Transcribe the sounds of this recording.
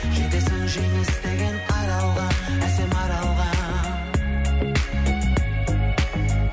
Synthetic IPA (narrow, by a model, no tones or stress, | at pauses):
ʒ̥et̪esɪŋʒejmɪst̪eɡʲe̞nqʰɑɾɑlˠʁɑæsemɑɾɑlˠʁɑ